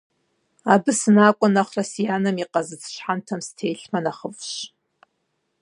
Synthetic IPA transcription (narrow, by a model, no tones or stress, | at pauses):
abɨsɨnakʷʼʊnaχʷrasjanamiqʼazɨt͡sʰʃʷħantʰamstʰejɬmanaχəvʃ